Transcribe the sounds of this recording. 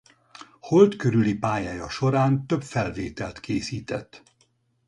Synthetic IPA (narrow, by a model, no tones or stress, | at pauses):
ho̞lt̪køɾylipaːjaːjɒʃo̞ɾaːnt̪øbfɛlveːt̪ɛlt̪keːsiːt̪ɛ̰t̪ː